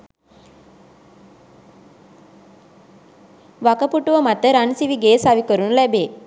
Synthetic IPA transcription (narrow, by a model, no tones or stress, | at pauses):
ʋɐkəpuʈːuʋəmɐt̪ːəɾɐnsiʋiɡeːsaʋikəɾunlɛbeː